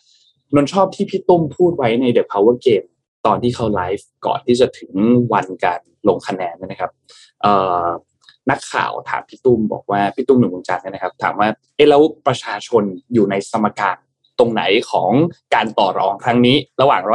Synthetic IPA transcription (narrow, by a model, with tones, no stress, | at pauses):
no˦˥nt͡ɕʰɔː˥˩p̚t̪ʰiː˥˩pʰi˦˥t̪u˥˩mpʰuː˥˩t̪̚wa˦˥jna˧jde˨˩p̚hʰaː˧wəː˦˥˩keː˧m | t̪ɔː˧nt̪ʰiː˥˩kʰa˦˥wlaː˦˥jfkɔ̰ː˨˩nt̪ʰiː˥˩t͡ɕa˨˩t̪ʰɯ˩˦ŋwa˧nkaː˧n | lo˧ŋkʰa˧nɛː˧n˦˥˩na˦˥kʰa˦˥p̚ | ʔɤː˨˩ | na˦˥kʰːa̰ː˨˩wt̪ʰa̰ː˩˦mpʰi˦˥t̪u˥˩mbɔ̰ː˨˩k̚waː˥˩pʰi˦˥t̪ːu˥˩mnɯ˨˩wɯː˧t͡ɕa˧nːɯ˥˩na˦˥kʰa˦˥p̚t̪ʰa̰ː˩˦mwaː˥˩ʔe˦˥˩lɛː˦˥wpɾa˧t͡ɕʰaː˧t͡ɕʰo˧njuː˨˩na˧jsʰa˧mːa˧kaː˧n | t̪o˧ŋna̰˩˦jkʰɔ̰ː˩˦ŋkaː˧nt̪ɔː˨˩ɾɔː˧˩ŋkʰɾa˦˥ŋniː˦˥ɾa˧waː˨˩ŋɾ